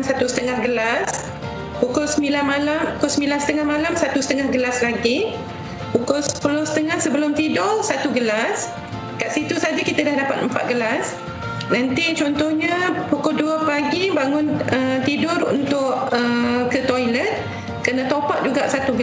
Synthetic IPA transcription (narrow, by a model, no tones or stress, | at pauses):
msat̪usə̥t̪əŋahɡəlas | pukʊlsəmilanmalampukʊlsəmilansə̥t̪əŋahmalamsat̪usə̥t̪əŋahɡəlaslaɡi | pukʊlspəlosə̥t̪əŋahsəbəlʊmt̪idʊrsat̪uɡəlas | kaʔsit̪usad͡ʒakit̪adahdapat̪̚mpa̰t̪̚ɡəlas | nant̪it͡ʃɔnt̪ɔhɲəpukʊlduəpaɡibaŋʊnət̪idʊrṵnt̪ʊʔəkət̪ojlət̪̚ | kərnə̃t̪opaʔ̚d͡ʒuɡaʔsat̪uɡə